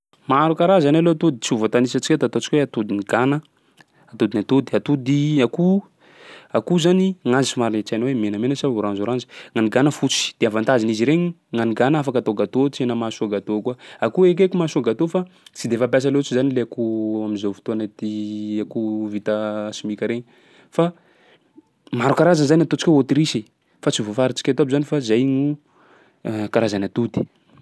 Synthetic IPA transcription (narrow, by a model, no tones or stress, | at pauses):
maɾukaɾazanaloat̪ud̪it͡siuvat̪anisət͡ʃikʲet̪at̪ot͡ʃikʲweat̪ud̪iniɡanə | at̪ud̪inat̪ud̪iat̪ud̪iaku | akuzaniŋazimaɾnet͡sajnowemenəmenəsaɾanzuɾand͡ʒi̥ŋaniɡanəfut͡si̥d̪̥eavant̪aziniziɾeɲi | ŋaniɡanafakat̪oɡat̪ot͡ʃenəmasuaɡat̪okwaakuek̬ekumasuaɡat̪ofat͡sid̪efap̬jas̬alet͡sizanileakuwaminzowfi̥t̪oanat̪iakuvit̪asimikʲaɾeɲi | fa | maɾukaɾazanzanat̪ot͡si̥kʲoot̪ɾisi | fat͡sivofaɾit͡ʃi̥kʲat̪oabizanifazajɲu | kaɾazanat̪ud̪i̥